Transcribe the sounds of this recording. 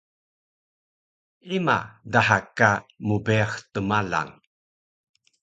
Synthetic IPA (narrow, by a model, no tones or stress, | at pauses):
ima̰daɦakːamubeaxtəmala̰ŋ